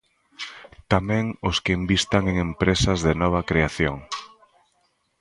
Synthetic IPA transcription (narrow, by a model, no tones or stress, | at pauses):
t̪amɛ̃ŋoskɪembist̪aŋeŋempɾesɐzðɪnɔβ̞ɐkɾeaθjoŋ